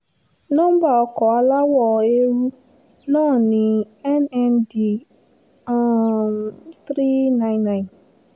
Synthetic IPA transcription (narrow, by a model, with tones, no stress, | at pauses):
nɔ̃˦ba˦˨ɔ˧kɔ˨a˦la˦wɔ˦˨e˦ɾu˦ | nãː˦˨nĩ˨ | ɛ˦nɛ˦ndi˨ | t̪ɾi˦nã˦ɪ̃˦nːã˦˨ɪ˨n